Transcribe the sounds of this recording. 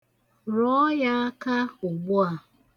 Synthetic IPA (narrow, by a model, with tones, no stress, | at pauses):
ɾɔ˦ja˦a˦ka˦ʊ˨ɡ͡bʊ˦a˨